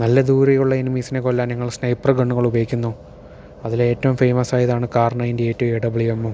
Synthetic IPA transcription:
nɐlːɐd̪uːɾɐjuɭːɐenimiːsinekolːaːnɲɐŋːɐɭsnɐjpːɐrɡɐɳːuɣɐɭubɐjikʲːunːuː | ɐðile̞ːtːɐʋumfejmɐsaːjɐðaːɳɨkaːrɳɐjindeeːtːueɽɐbɐɭiʋemːum

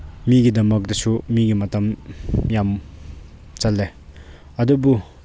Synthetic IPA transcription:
miɡid̪amak̚d̪at͡ʃʰuʔmiɡimat̪amjam | t͡salːe | ad̪ubu

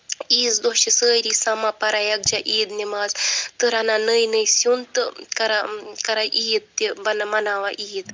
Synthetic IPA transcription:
iːzd̪oʃisəːjɾʲisamapaɾajak̚d͡ʒaʔid̪nʲemazt̪ɨɾananɨjnɨjsʲunt̪ɨkaɾakaɾaʔijit̪̚t̪ʲibɐnamanaʋaʔijit̪

